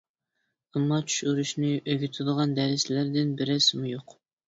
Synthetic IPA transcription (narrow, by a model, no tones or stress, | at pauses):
ɑmːɑt͡ʃʰy̥ʃuɾuʃnɪʔøɡʲyt̪ʰɨd̪əʁɑnd̪ɛɾɪslæɾd̪ɪnbɪɾɛsmujoq